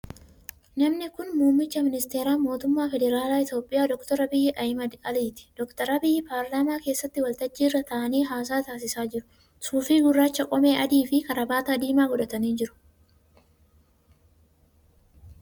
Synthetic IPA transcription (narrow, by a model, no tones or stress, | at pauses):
nɐmnɪkʊnmuːmːɪt͡ʃːɐmɪnɪst̪eːɾaːmo̞ːt̪ʊmːaːfɛd̪ɛɾaːlaːɪt̪jo̞ːpʼːɪjaːd̪ɔkt̪ɔɾɐbɪjːɪʔɐhmɐd̪ɐliːt̪ɪ̥d̪̥ɔkt̪ɐɾɐbɪjːɪpaːɾlaːmaːke̞ːsːɐt̪ːɪwɐlt̪ɐd͡ʒːiːrːɐt̪ɐʔɐniːɦaːs̬aːt̪aːs̬ɪsaːd͡ʒɪɾʊ̥ | suːfiːɡʊrːaːt͡ʃːɐkʼɔme̞ːʔɐd̪iːfɪkɐɾɐbaːt̪ɐd̪iːmaːɡɔᶑɐt̪ɐniːnd͡ʒɪɾʊ̥